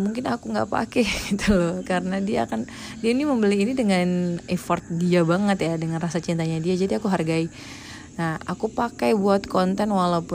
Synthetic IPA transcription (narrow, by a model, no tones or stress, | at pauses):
muŋkɪnakuŋɡa̰pa̰kɛɡit̪ulɔkaɾənadia̰ːkan | diainiməmbəliːnidəŋanɛfɔrt̪̚diabaŋət̪jadəŋanrasat͡ʃint̪aɲadiad͡ʒadiakuɦarɡai | nahakupakajbuat̪kɔnt̪ɛnwalaupʊ